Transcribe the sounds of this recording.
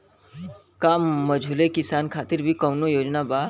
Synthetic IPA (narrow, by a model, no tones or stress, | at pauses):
kamːəd͡ʒʱulekisankʰat̪iɾbʱikəwnojoːd͡ʒnaba